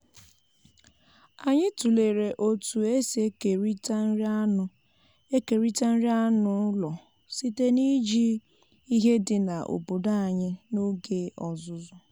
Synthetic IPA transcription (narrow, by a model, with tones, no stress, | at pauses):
a˨ɲɪ˦tu˨le˨ɾe˨ʔo˨tu˨e˦si˨˦e˦ke˨ɾi˦ta˦n̩˦ɾa˦nʊ˨ | e˦ke˨ɾi˦ta˦n̩˦ɾi˦a˦nʊ˨˦lɔ˨ | si˦te˦ni˦d͡ʒi˦ | i˦ɦe˦dɪ˨na˨ʔo̰˨bo˨da˦a˨ɲɪ˦no˦ɡe˦ʔɔ˨zʊ˦zʊ˦